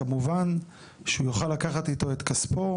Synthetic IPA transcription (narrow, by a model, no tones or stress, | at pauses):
amuvan | ʃeujoχalːakaχat̪it̪o̞e̞t̪kaspo